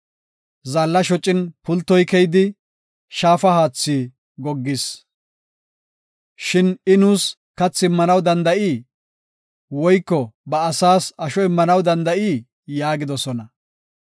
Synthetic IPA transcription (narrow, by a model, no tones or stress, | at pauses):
zalːɐʃɔt͡ʃʼːɪnpʊlt̪ːɔjkɛjd̪ɪ | ʃaːfɐhaːt͡sːiː | ɡɔɡːɪs | ʃɪnɪnuːs | kɐt͡sːɪmːɐnɐwd̪ɐnd̪ɐʔiː | wɔjkːɔbɐːsaːsɐʃɔɪmːɐnɐwd̪ɐnd̪ɐʔiː | jaːɡɪd̪ɔsɔnɐ